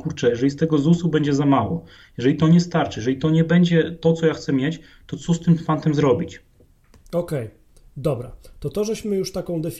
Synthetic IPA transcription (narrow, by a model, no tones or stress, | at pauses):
kuɾt͡ʂɛjɛʐɛist̪ɛɡɔzusubɛɲd͡ʑɛzamawɔ | jɛʐɛlʲit̪ɔɲɛst̪aɾt͡ʂɘjɛʐɛlʲit̪ɔɲɛbɛɲd͡ʑɛt̪ɔt̪sɔjaxt̪sɛmʲjɛt͡ɕ | t̪ɔt̪sɔst̪ɘmpant̪ɛmzɾɔbʲit͡ɕ | ɔkɛj | d̪ɔbɾat̪ɔt̪ɔʐɛɕmɘjuʂt̪akɔ̃w̃d̪ɛfʲ